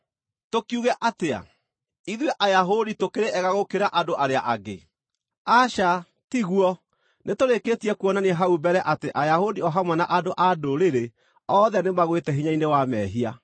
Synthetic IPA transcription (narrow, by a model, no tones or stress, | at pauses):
tokiuɣɛʔatea̰ | iðwɛʔajaɦoditokeɾeɛɣaɣokeɾaʔadoʔaɾeaʔaɣḛ | aʃa | tiɣuɔ | netoɾeketiɛkuɔnaneɛɦaubɛɾɛʔateʔajahodiɔɦamwɛnaʔadoʔadoɾeɾe | ɔːðɛnemaɣwetɛɦiɲainewamɛɦia